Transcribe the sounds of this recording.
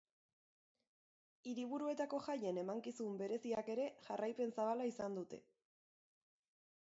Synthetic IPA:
iɾiβ̞uɾue̞t̪ako̞ʝaje̞ne̞maŋkisumbe̞ɾe̞siake̞ɾe̞ʝarʔajpe̞nsaβalaisand̪ut̪e̞̰

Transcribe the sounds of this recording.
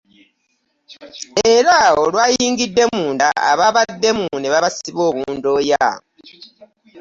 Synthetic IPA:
e̞ɾaolwaːjiːŋɡidːe̞muːnda̰a̰βaβad̪ːe̞muniβaβasiβo̞ːβuːndo̞ːja

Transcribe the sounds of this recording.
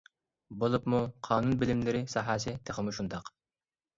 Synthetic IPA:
bolˠupmuqʰɑːnunbɪlɪmlɪɾɪsɑːɦɑːsɪt̪ʰeχəmuʃund̪ɑq

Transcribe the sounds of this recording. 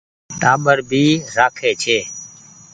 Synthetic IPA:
ʈaːɓəɾbʱiːɾaːkʰeːt͡ʃʰeː

